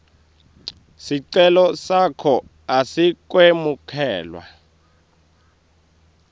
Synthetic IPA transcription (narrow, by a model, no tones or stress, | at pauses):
siǀɛlɔsakʰɔ | asik̬wemukʰɛːlwa̰